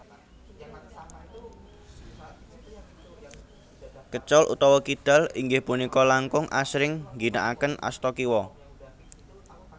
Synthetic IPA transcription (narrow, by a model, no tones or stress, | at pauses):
kət͡ʃɔlʔṵt̪ɔwɔkid̪̥a̤liŋɡɪhpunikɔlaŋkʊŋʔa̰sɾɪŋŋɡinaʔakənʔa̰st̪ɔkiwɔ